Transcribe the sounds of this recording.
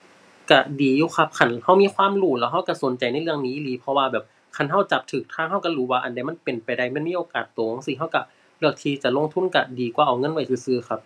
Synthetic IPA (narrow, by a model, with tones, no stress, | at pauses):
ka˧˩diː˨˦juː˧˦xʰa˧˥p̚kʰa˧˩˨nha˧˥˩wmiː˧˥˨kʰwaː˧˥˨mɾuː˧˩lɛː˧˥wɦa˧˥˩wka˧˩so˨˦nt͡ɕa˨˩jna˧˥˨jlɯ˧əŋniː˧˦ʔi˧liː˧˦pʰɔ˧waː˧bɛː˨˩p̚ | kʰa˧˥˩nɦa˧˥˩wt͡ɕa˨˧˩p̚t̪ʰɯː˨˩k̚t̪ʰaː˧˥˨ɦa˧˥˩wka˧ɾuː˨˦waː˧ʔa˨˩nda˧˩jma˧˥˨npe˨˩npa˨˩jda˧˩jma˧˥˨nmiː˧˥˨oː˨˩kaː˨˩t̪ːoː˨˦ŋsiː˧˩ɦa˧˥˨wka˧˩ | lɯ˧˩ək̚t̪ʰiː˧t͡ɕa˨˩lo˧˥˨ŋt̪ʰu˧˥˨nka˧˩diː˨˩kwaː˧˩˨ʔa˨˩wŋɤ˧˥˨nwa˧˩jsɯː˧˩sɯː˧˩xʰa˧˥p̚